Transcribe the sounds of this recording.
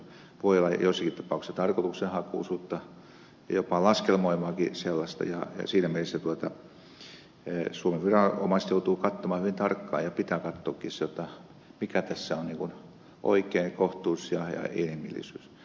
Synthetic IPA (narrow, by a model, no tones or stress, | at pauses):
ʋoiolːˑɑjosːɑkit̪t̪ɑ̥pɑˑuksisɑt̪ɑrkot̪uksenhɑkuˑːsuːt̪ːɑ | jopɑˑlɑskelmoimɑːkiselːɑst̪ɑ̰jɑ̰jɑ̰siːnæmielesːæt̪uot̪ɑ | suomeʋʋirɑo̰mɑst̪jout̪uːkɑt̪ːomɑːhyʋint̪ɑrkːɑ̰ːjɑpit̪æːkɑt̪ːoːkːisot̪ɑ | mikæt̪æsːæonniŋkun | ʔo̰ikeːŋkoht̪uːsjɑjɑ̰ḛnhimḭlːḭsyːs